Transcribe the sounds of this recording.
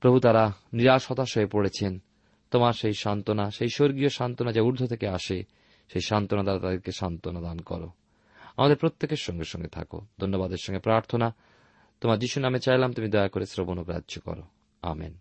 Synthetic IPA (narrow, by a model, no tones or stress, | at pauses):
pɾobʱut̪aɾaniɾaʃɔt̪aʃoepoɽet͡ɕʰen | t̪omaɾʃejʃant̪onaʃejʃoɾɡioʃant̪onad͡ʑauɾd̪ʱot̪ʰekeaʃe | ʃejʃant̪onat̪aɾat̪ad̪eɾkeʃant̪onad̪ankɔ̰ɾo̰ | amad̪eɾpɾot̪ːekeɾʃɔŋɡeʃɔ̰ŋɡet̪ʰa̰ko̰d̪ʱonːobad̪eɾʃɔŋɡepɾaɾt̪ʰona | t̪omaɾd͡ʑiʃunamet͡ɕajlamt̪umid̪ɔeakoɾesɾobonokɾa̰dːʒokɔ̰ɾo̰ | a̰mḛn